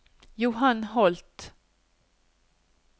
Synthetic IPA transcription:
jʊɦanɦɔlt̪

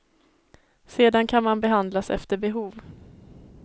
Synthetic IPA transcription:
seːd̪ankʰanmanbɛɦand̪lasɛ̰ft̪əɾbɛɦuːv

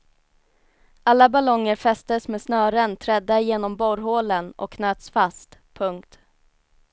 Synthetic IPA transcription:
ʔalːabalɔŋːəɾfɛst̪əsmeːsnœːɾənt̪ʰɾɛd̪ːajeːnɔmbɔɾɦoːlənɔ̰kʰːnøːt̪sfast̪pʰɵŋkt̪

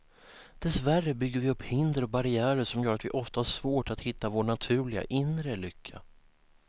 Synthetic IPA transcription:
d̪̥ɛsværːəbʏɡːəɾvɪɵpːhɪnd̪əɾɔbaɾɪæːɾəʂɔmjœːɾat̪vɪʔɔft̪ahaʂvoːʈat̪hɪt̪ːavoːɳat̪ʰʉ̟ːlɪɡa̰ʔɪnɾəlʏkʰːa̰

